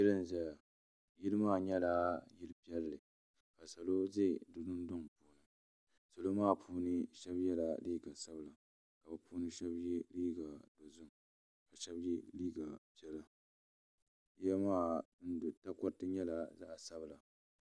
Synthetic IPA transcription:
ɪ˦lɨ˦n˨za˦ja˨ | ji˦lɨ˦maː˦˨ɲɛ˦la˦jɪ˦lɨ˦pi˦ɛ˦lːɨ˨ | ka˨sa˨lo˦ze˦˨dʊ˨nʊ˦n˦dʊ˦ŋpuː˨nɨ˨˦ | so˨lo˦maː˦˨pʰuː˦nɨ˦ʃɛ˦bjɛ˦la˨liː˦ɡa˨sa˦bɨ˨la˨ | ka˨bɨ˦pʰuː˦nɨ˦ʃɛ˦bji˦liː˦ɡa˨do˨zʊ˦ŋ | ka˨ʃɛ˦bji˦liː˦ɡa˨pjɛ˦la˦ | jɛ˦maː˦n˦dta˦kɔ˦ɾtɨ˦ɲɛ˦la˨za˦ʔa˨sa˦bɨ˨la˨

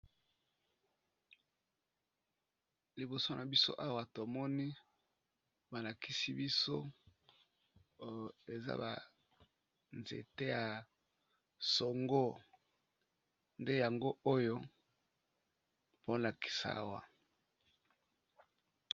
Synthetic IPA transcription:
li˨bo˨so˦nʔa˨bi˦so̰˦ʔa˦wa˨to˨mɔ˦ni˦ | ba˨la˨ki˦si˦bi˦so˦ | e˨za̰˦ba̰˨ | nzḛ˨te˦ja˨ | so˨ŋɡo˦ | nde˦ja˨ŋɡo˦o˦jo˦ | po˦la˨ki̥˨sa˨˦a̰˦wa̰˨

